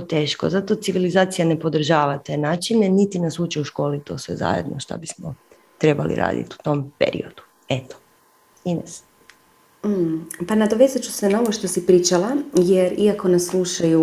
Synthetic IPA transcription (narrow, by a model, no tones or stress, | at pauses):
t̪e̞ːʃko̰zat̪o̞t̪siʋilizaːt̪sijane̞po̞d̪r̩ʒaːʋat̪e̞ːnaːt͡ʃinenit̪inasuːt͡ʃɛuʃko̞ːlit̪o̞ːsʋḛza̰jḛd̪nʔoʃt̪a̰bismo | t̪ɾe̞balḭɾʔa̰ːd̪ḭt̪iu̥t̪o̞mpḛɾḭo̞d̪̥u̥ | et̪o̥ | inas | panad̪oʋezat͡ʃu̥senao̞ʋoʃt̪o̞sipɾiːt͡ʃalˠajeɾiako̞neslˠuʃaju